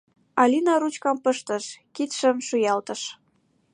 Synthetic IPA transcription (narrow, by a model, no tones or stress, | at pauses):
ɑlʲinɑɾut͡ɕkɑmpəʃt̪əʃkit̪ʃə̆mʃujɑlt̪ə̆ʃ